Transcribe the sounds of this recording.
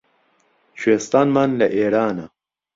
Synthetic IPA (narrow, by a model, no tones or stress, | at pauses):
t͡ʃʰweːst̪aːnmanlɐʔeːɾaːnɐ